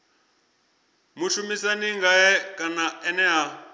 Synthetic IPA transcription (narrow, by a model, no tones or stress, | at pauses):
muʃumisaniŋɡaɛkʼanaɛnɛɦa